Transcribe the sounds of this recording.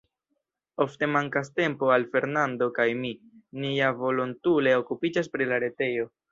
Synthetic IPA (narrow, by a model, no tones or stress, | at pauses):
o̞fte̞maŋkaste̞mpo̞alfe̞ɾnando̞kajminiavo̞lontule̞o̞kupid͡ʒas̬pɾilaɾe̞te̞jo̞